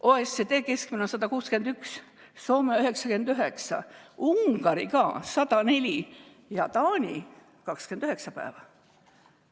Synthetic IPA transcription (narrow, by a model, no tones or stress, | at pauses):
ʔoːesːet̪e̞ːke̞skminɑsɑd̪ɑkuːskend̪yksː | o̞ːmeyɦe̞ksɑkend̪yɦeksɑ̰uŋɡ̥ɑɾikɑ̰ːsɑd̪̥ɑne̞lʲi | jɑt̪ɑːnʲḭ | kɑkskend̪̥yɦe̞ksɑpæ̰ːvɑ